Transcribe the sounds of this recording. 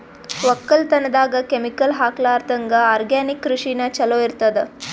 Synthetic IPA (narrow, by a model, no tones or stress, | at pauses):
ʋɐkːɐlt̪ɐnːɐd̪aːɡɐkemikɐlɦaːklaːɾt̪ɐŋɡɐaːɾɡaːnikːɾuʂinɐt͡ʃɐloːiɾt̪ɐd̪e